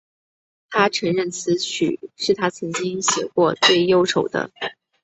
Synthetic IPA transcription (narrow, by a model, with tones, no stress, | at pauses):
t̪ʰa˥ʈ͡ʂʰɤ˧˥ŋɻə˥˩nt͡sʰɹ̩˧˥t͡ɕʰy̰˨˩˦ʂɻ̩˥˩t̪ʰa˥t͡sʰɤ˧˥ŋt͡ɕi˥ŋɕjɛ̰˨˩kwɔ˥˧t͡swe˥˩ɪjo˥ʊʂʰo˨˩ʊd̪ə̰˦